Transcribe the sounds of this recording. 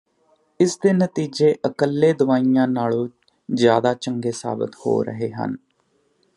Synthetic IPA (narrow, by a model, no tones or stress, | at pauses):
ɪsd̪eːnət̪iːd͡ʒeːʔəkəlːeːd̪ʊʋaːiːjãːnaːlõː | zjaːd̪aːt͡ʃəŋɡeːsa̰ːbə̰t̪ho̰ːɾə̰ɦeːɦə̰n